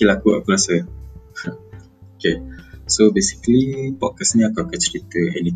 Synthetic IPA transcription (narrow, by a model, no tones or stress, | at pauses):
kilakua̰kulasə̃ | okesobesi̥kəlipɔkasnĩakawkət͡ʃɾit̪əʔɛ̰ni